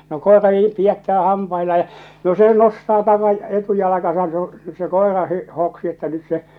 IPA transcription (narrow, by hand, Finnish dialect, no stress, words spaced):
no koerɑ niːm piætːæː hɑmpɑilɑː jɑ no se nostɑː tɑkɑ etujɑlɑkɑsɑn se õː se koˑerɑ hi hoksi etːæ nyt se